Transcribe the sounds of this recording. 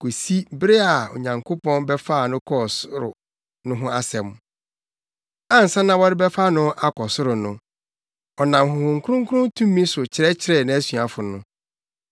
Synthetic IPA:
kʰo˨si˦bɪ˦ɾɪ˦a˨o̰˨ɲã˨ŋkʰo˦pɔ̃˦nbɛ˦fa˦˨nʊ̃˦kʰɔ˦˨sʊ˦ɾʊ̰˨ | nʊ̃˦ɦʊ̃˦a˦sɛ̃˨m | ã˦n̩˨sã˦nã˦wɔ˦ɾɪ˦bɛ˦fa˦nʊ̃˦ʔa˦kʰɔ˨sʊ˦ɾʊ˨nʊ̃˨ | ɔ˨nã˨mhʊ˨hʊ̃˨ŋ˨kʰʊ˦ɾʊ̃˦ŋkʰɾʊ̃˦tʰũ˦mː˦ĩ˦sʊ˨t͡ɕʰɪ˨ɾɛ˦t͡ɕʰɪ˨ɾɛ˨nã˨˦æ˦sɥa˨fʊ˨nʊ̃˦

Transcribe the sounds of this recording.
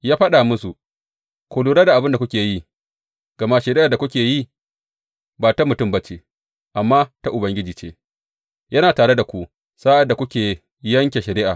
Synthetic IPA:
jaː˦ɸa˦ɗa˨mʊ˦su˨ | kʷoː˨luː˨ɽaː˦da˨ʔa˨bɪ˦nda˨kʷʊ˦kʲeː˨ji˦ | ɡ̥ɐ˨ma˦ʃɐ˨ɾɪ˦ʔa˨da˨kʷʊ˦kʲeː˨ji˦ | baː˨ta˦mʊ˨tʊ˦˨mba˦t͡ʃeː˨ | ʔa˨mːaː˦ta˦ʔʊ˨bɐ˨ŋɡʲɪ˦d͡ʒiː˨t͡ʃḛː˦ | jɐ˦naː˨taː˨ɽe˦da˨kʷu˦ | saː˦ʔa˨da˨kʷʊ˦kʲeː˨˦ | jɐ˦ŋkʲe˨ʃɐ˨ɾɪ˦ʔaː˨

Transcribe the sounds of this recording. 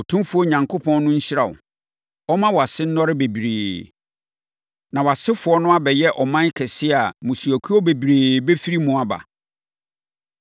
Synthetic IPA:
ɔ˨tʰũ˦mfʊ˨˦ɔ˦˨ɲã˨ŋkʰo˦pʰɔ̃˦n˦nʊ̃˦ɲ̩˦ɕɪ˦ɾa˨ʊ̰˨ | ɔ˦mã˦wɔ˨a˨sɪ˦n̩˦nɔ˦ɾɪ˦be˨bi˨ɾeː˨ | nã˨wɔ˨a˨sɪ˦fʊ˨ɔ˦nʊ̃˦a˦bɛ˨jɛ˦ʔɔ˨mã˦n˦kʰɛ˨sɪ˦a˨mʊ̃˨su˨æ˨kʰu˦ɔ˦be˨bi˨ɾeː˨be˦fi˦ɾi˦mʊ̃˨a˨ba̰˨

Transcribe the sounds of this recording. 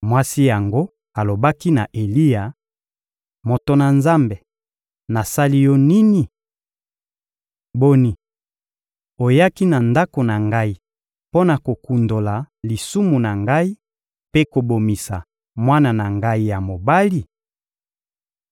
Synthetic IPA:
mwa˦si˦ja˨ŋɡo˦ | a˨lo˨ba˦ki˦na˨ʔe˨li˦ja˨ | mo˨to˨na˨nza˦mbe˨ | na˨sa˦li˦jɔ˦ni˦ni˨ | bo˦ni˨ | o˨ja˦ki˦na˨nda˦ko˨na˨ŋɡa˦i˦ | po˦na˨ko˨ku˨ndo˨la˨ | li˨su˦mu˨na˨ŋɡa˦i˦ | pe˦ko˨bo˨mi˨sa̰˨ | mwa˦na˨na˨ŋɡa˦i˦ja˨mo˨ba˦li˦

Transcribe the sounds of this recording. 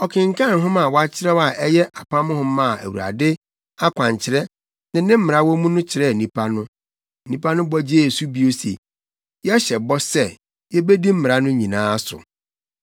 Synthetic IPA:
ɔ˨kʰɪ̃˨ŋ̩kʰã˦˨n˨ɦʊ̃˦mã˨wa˦t͡ɕʰɪ˦ɾɛ˦wa˨ʔɛ˦jɛ˦ʔa˨pʰã˦mʊ̃˦hʊ̃˦m˦mːã˦˨æ̰˨wṵ˨a̰˨dɪ˦ | a˦kʷã˨ɲ˨t͡ɕʰɪ˨ɾɛ˦ | nɪ̃˨˦nɪ̃˦m̩˦mɪ˨ɾa˦wɔ˦mũ˦nʊ̃˦t͡ɕʰɪ˨ɾɛ˦˨nĩ˨pʰa˦nʊ̃˦˨ | nĩ˦pʰa˦nʊ̃˦bɔ˦d͡ʑe˦˨su˦bi˦o˦sḛ˨ | jɛ˦ɕɛ˨bɔ˦sɛ˦ | jɛ˦be˦di˦m̩˦mɪ˨ɾa˦nʊ̃˦ɲĩ˨nãː˦sʊ̰˨

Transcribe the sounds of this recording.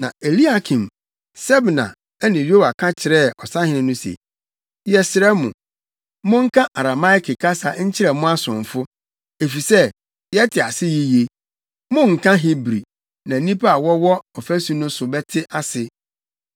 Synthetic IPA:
nã̰˨e˨li˦a˦kʰĩ˨m | sɛ˦bnã̰˨ | ɛ˦nɪ̃˨ɾi˦o˦ba˨kʰã˦t͡ɕʰɪ˨ɾɛ˦˨ɔ˨sa˦hɪ̃˨nɪ̃˦nʊ̃˦sḛ˨˦ | jɛ˦sɪ˨ɾɛ˦mʊ̰̃˨ | mʊ̃˦ŋ̩˦kʰã˦ʔa˨ɾa˨ma˦ɪ˦kɪ˨kʰa˦sa˨ɲ̩˦t͡ɕʰɪ˦ɾɛ˨mʊ̃˦a˦sʊ̃˨ɱ˨fʊ˦ | e˨fi˨sɛ˦ | jɛ˦tʰɪ˨a˨sɪ˦ji˦je˦ | mʊ̃˦ŋ̩˨kʰã˦ɦi˦bɾi˨ | nã˨nĩ˦pa˦a˨wɔ˦wɔ˦ɔ˨fæ˦su˦nʊ̃˦sʊ˨bɛ˦tʰɪ˦ʔa˦sɪ˨

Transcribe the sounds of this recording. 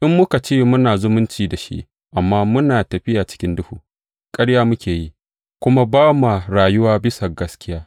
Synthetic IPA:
ʔɪ˦mːʊ˦ka˨t͡ʃeː˦mʊ˦naː˨zʊ˦mʊ˦nt͡ʃiː˨da˨ʃḭ˦ʔ | ʔa˨mːaː˦mʊ˦naː˨tɐ˨ɸɪ˦jaː˨t͡ʃɪ̥˦kʲɪ˦ndʊ˦huː˨ | kʼɐ˦ɽjaː˦mʊ˦kʲeː˨ji˦ | kʷʊ˦ma˦baː˦ma˨ɾaː˨jʊ˦waː˦bɪ˦sa˨ɡɐ˦skʲɪ˦jaː˦

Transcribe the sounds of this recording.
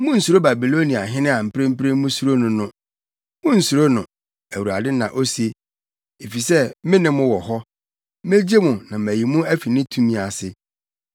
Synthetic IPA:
mʊ̃˦n̩˨su˨ɾo˦ba˨bi˨lo˦nĩ˨a˨ɦɪ̃˦nɪ̃˦a˨m̩˨pɾẽ˦m̩˦pɾẽ˦mʊ̃˦su˨ɾo˦nʊ̃˨nʊ̃˦ | mʊ̃˦n̩˨su˨ɾo˦nʊ̃˨ | æ˨wu˨a̰˨dɪ˦nã˨ʔo˦si˦e˦ | e˨fi˨sɛ˦mɪ̃˦nɪ̃˦mʊ̃˦wɔ˨hɔ˦ | me˦d͡ʑe˦mʊ̃˨nã˨mæ˨ji˨mũ˦æ˦fi˨nɪ̃˦tʰũ˦mĩ˨a˨sɪ˨

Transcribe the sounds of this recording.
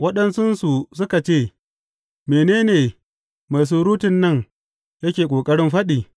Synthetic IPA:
wɐ˦ɗɐ˦nsʊ˦nsu˨sʊ˦ka˨t͡ʃeː˦˨ | meː˨neː˦neː˨ | ma˨s̬uː˦ɾuː˦tɪ˨nːɐ˦˨ŋ | jɐ˦kʲeː˨kʷʼoː˨kʼɐ˦ɽɪ˦mɸɐ˦ɗiː˨

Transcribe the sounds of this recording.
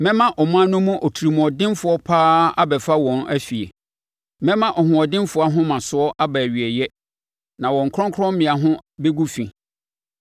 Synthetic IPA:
mɛ̃˦mã˦ʔɔ˨m̃˦ã˦nʊ̃˦mũ˦ʔɔ˨tʰu˨ɾi˨m̃˨ɔ˨dɪ̃˦nfʊ˨ɔ˦pʰaː˦a̰˦bɛ˨fa˦wɔ̃˨næ˦fi˨ḛ˨ | mɛ̃˦mã˦ʔɔ˨ɦʊ̃˨ɔ˨dɪ̃˦mfʊ˨˦a˦ɦʊ̃˦mã˨sʊ˨˦ɔ˦ʔa˦bæ˨ɥi˨ɛ˨jɛ˦ | nã˨wɔ̃˨ŋ̩˨kʰɾɔ̃˦ŋkʰɔ̃˦mmɪ̃˨a˨ɦʊ̃˦be˦ɡu˦fḭ̃˨

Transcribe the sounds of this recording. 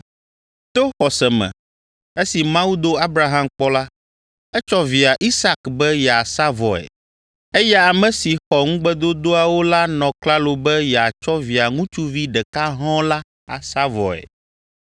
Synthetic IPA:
t̪o˦xɔ˨sɛ˨mɛ̰̃˨ | e˦si˨mã˦wu˦d̪o˦a˦bɾa˨ɦã˦mk͡pɔ˦la˦ | ɛ˦t͡ʃɔ˦vi˨a˨ʔi˦sa˦kbɛ˦jɛ˨a˨sa˦vɔ̰˨ɛ̰˨ | e˦jɛ˦a˨mɛ̃˨si˨xɔ˨ŋũ˦ɡ͡bɛ˦d̪o˦d̪o˦a˨wo˦la˦nɔ̃˨kla˦lo˨bɛ˦jɛ˨a˨t͡ʃɔ˦vi˨a˨ŋũ˦t͡ʃu˦vi˦ɖɛ˨ka˦ɦɔ̃˦la˦ | a˨sa˦vɔ̰˨ɛ̰˨

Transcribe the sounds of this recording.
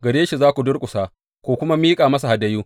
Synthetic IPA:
ɡɐ˨ɽeː˦ʃi˨zaː˦kʷu˨dʊ˦rkʷʼʊ˨saː˦ | kʷoː˨kʷʊ˦ma˦miː˦kʼaː˨mɐ˦sa˨ha˨dɐ˦juː˦

